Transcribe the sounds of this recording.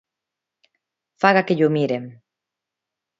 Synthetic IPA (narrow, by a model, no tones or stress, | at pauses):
faɣakeʎʊmiɾem